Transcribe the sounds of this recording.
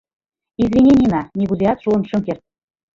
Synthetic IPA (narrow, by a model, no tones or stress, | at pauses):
izvʲinʲenʲinɑnʲiɣulʲiɑt̪ʃuəmʃɤ̆mkert̪̚